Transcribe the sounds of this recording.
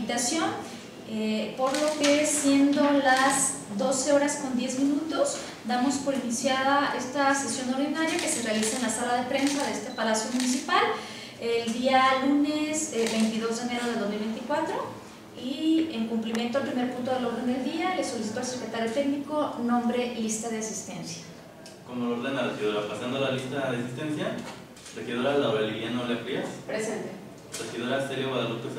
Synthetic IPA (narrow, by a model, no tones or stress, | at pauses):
t̪asjo̞n | epoɾlo̞kesje̞nd̪o̞laz | d̪o̞se̞o̞ɾasko̞nd̪je̞zmĩnut̪oz | d̪amo̞spo̞ɾinisjaðaʔe̞st̪ase̞sjo̞no̞ɾðinaɾjake̞se̞realisaenlasalaðe̞pɾe̞nsaðeest̪e̞palasjo̞mũnis̬ipal | eld̪ialunesbe̞jnt̪iðo̞zðene̞ɾoð̞eld̪o̞zmilβe̞jnt̪ikwat̪ɾo̞ | ieŋkumplimjent̪o̞alpɾime̞ɾpũnt̪oe̞lo̞ɾð̞end̪e̞ld̪iale̞so̞lis̬it̪oalsekɾet̪aɾjo̞t̪e̞kniko̞nõ̞mbɾe̞list̪að̞easist̪e̞̰nsjḁ | komoloɾðend̪erexiðoɾapasand̪olalist̪aðeasist̪ensja | rexiðoɾalaoɾelβianolekɾiaspɾesent̪e | rexiðoɾaseɾjowaðalopes